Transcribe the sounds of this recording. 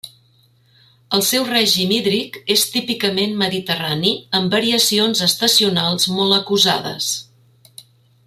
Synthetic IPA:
əlˠsɛwrɛʒimiðɾikest̪ipikəmenməðit̪əraniəmbəɾiəsionzəst̪əsiunalˠzmɔləkuza̰ðə̰s

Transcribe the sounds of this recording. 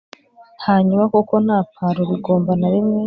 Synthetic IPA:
haːɲumakoko̞n̥aːpʰaɾoɾiɡo̞ːmbanaɾimŋe

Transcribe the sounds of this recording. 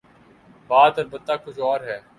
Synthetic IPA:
baːt̪əɾbət̪ːaːkʊt͡ʃʰɔːɾɦɛː

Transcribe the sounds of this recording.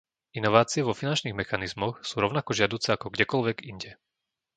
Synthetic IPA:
inɔʋaːt͡siɛʋɔfinant͡ʃniːɣmɛxanizmɔxsuːɾɔʊnakɔʒɪad̪uːt͡sɛakɔɡɟɛkɔlʋɛɡiɲɟɛ

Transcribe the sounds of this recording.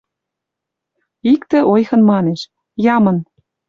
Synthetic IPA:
ikt̪ĕʔojxɤ̆nmɑneʃ | jɑmɤ̆n

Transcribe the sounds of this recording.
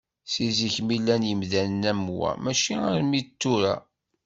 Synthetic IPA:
siziçmilːænjəmðænənæmwæ̰mæʃiaɾmit̪ːuɾa̰

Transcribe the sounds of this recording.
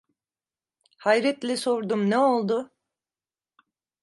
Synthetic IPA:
hajɾɛt̪lʲɛso̞ɾd̪umneo̞lˠd̪ʊ

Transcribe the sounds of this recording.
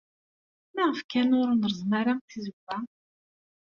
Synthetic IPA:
mæʁəfkænʊɾnəɾəzˤməɾaŋθizəɡʷːæ

